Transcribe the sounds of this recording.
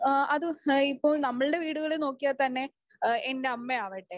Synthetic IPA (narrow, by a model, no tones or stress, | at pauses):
ʔɐðɨipːo̞ːɭnɐmːɐɭɨɽe̞ʋiːɽuɣɐɭeno̞ːkːijɐt̪ɐnːe̞ | ende̞ɐmːeaːʋejʈːe